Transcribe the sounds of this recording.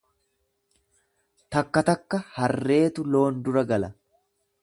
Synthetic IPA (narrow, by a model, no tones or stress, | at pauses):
t̪ɐkːɐt̪ɐkːɐhɐrːe̞ːt̪ʊlo̞ːnd̪ʊɾɐɡɐlɐ